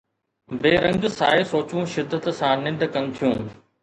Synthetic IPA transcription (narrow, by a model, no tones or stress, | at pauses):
beːɾɐ̃ŋɡsaːɪsoːt͡ɕũːʃɪd̪ːət̪sãːnɪ̃ɳɖkɐnɪ̆t̪ʰijũː